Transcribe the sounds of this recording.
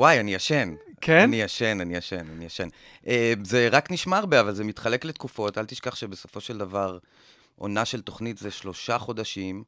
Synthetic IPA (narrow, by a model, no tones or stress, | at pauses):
wajanijaʃe̞nkenijaʃe̞nanijaʃenanijaʃen | ʔeze̞ʁakniʃmaːʁbeavalze̞mit̪χale̞kle̞t̪kufo̞t̪alt̪iʃkaχʃebe̞so̞fo̞ʃe̞ld̪avaʁ | ʔo̞̰naʃe̞lt̪oχnitzeʃlo̞ʃaχo̞d̪aʃim